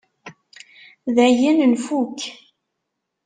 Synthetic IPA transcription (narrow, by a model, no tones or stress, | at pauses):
ðæjənənfuk